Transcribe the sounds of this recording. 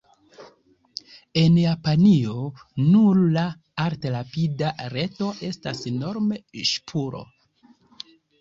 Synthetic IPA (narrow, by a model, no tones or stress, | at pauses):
e̞njapanio̞nuɾla | aɾtelapidaɾe̞to̞ʔe̞staseno̞ɾme̞ʃpʰuɾo̞̰